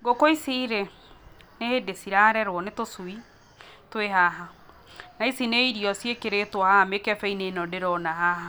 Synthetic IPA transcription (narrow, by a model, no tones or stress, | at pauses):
ɡokoisiɾe | nehedesiɾaɾɛɾwɔnetosui | tweɦaɦa | naisineiɾiɔsiekeɾetwɔhahamekɛfɛinenɔdeɾɔnahaha